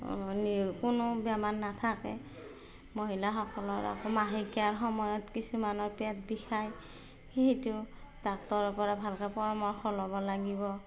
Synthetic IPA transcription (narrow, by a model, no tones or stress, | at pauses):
nikʊnʊbjamanːatʰakɛ̰ | moɦilaxɔkɔlɔɹa̰kɔmaɦikiaɹxɔmɔjɔtkisumanɔɹpɛtdixʰaj | heɦitʊ | dak̚tɔɹɔpɔɹabʱalkɛpɔɹɔmɔɹxʰɔlɔbɔlaɡiβɔ